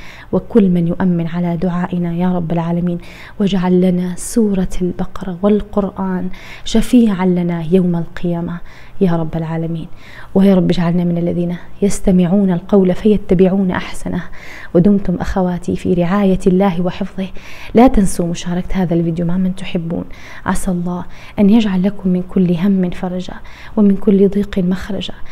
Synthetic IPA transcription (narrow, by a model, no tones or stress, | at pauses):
wɪkʊlːmanjʊʔamːɪnʕalad̪ʊʕaːʔɪnajaːɾˤɑbːalʕaːlamiːn | wɪd͡ʒaʕalːanasuːɾˤɑlbɑqɑɾˤɑwɪlqʊɾʔaːnʃafiːʕanlanajawmalqɪjaːma | jaːɾˤɑbːalʕaːlamiːn | wɪjaːɾˤɑbːd͡ʒaʕalnamɪnalːaðiːnajast̪amɪʕuːnalqɑwlafajat̪ːabɪʕuːnʔa̰ħsanʔawɪd̪ʊmt̪ʊmʔaxawaːt̪ifḭɾɪʕaːjalːaːhwɪħɪfðˤɨhlaːt̪ansumʊʃaːɾˤɑkt̪haːðalviːd̪jumaʕmːant̪ʊħɪbːṵːn | ʕa̰sʔlˤːɑːhʔanjad͡ʒʕalːakʊmːɪnkʊlːɦamːɪnfɑɾˤɑd͡ʒa̰wɪmɪnkʊlːd̪ˤiːqɪmaxɾˤɑd͡ʒa